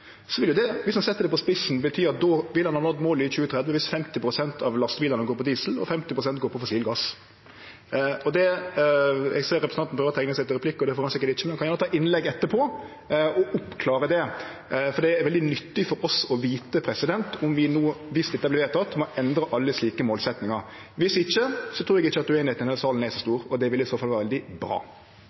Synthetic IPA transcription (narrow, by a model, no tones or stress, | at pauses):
sɔʋɪljʊd̪ɛʋɪshɑnsɛt̪ːəɾd̪ɛpɔspɪsnbət̪ʰyːɾɑt̪̚d̪ɔʋɪlːhɑnhɑːnɔt̪ːmoːlɪçʉːət̪ʰɾɛd̪ʋəʋɪst̪fɛmt̪ɪpʰɾʊsɛnt̪ʰɑʋlɑst̪biːləɾnəɡoːɾpɔd̪iːsl̩ɔ̰fɛmt̪ɪpɾʊs̬ɛnt̪̚ɡoːpʰɔfɔʊsiːlɡɑs | ɔd̪ɛ | ɛ̰ɡseːɾɛpɾəsɑn̩pʰɾøːʋɾɔt̪ʰɛŋnəsɛɪt̪ːɪɾɛpʰlɪkːɔd̪ɛfoːɾɑnsɪkːəɾʈɪçːəmɛnkɑnjæːnət̪ʰɑːʔɪnlɛɡɛt̪ːəɾpʰɔ | ɔʔʊpkʰlɑːɾəd̪ɛ | fɔɾd̪ɛʋɛld̪ɪnʏt̪ːɪfɔɾɔsɔʋiːt̪əpʰɾɛsɪd̪ɛnt̪ʊmʋɪnuːʋɪst̪ɪt̪ːɑblʋeːt̪ʰɑt̪mɔʔɛnd̪ɾəʔɑlːəsliːkəmoːlsɛt̪nɪŋɑɾ | ʋɪsɪçːəsɔt̪ʰɾuːɾɛɡɪçːəɑt̪̚d̪ʉeːnhɛɪt̪ɛnɛlsɑːln̩æsɔst̪uːɾɔd̪ɛʋɪlɪsoːfɑlʋæːɾʋɛld̪ɪbɾɑ̰ː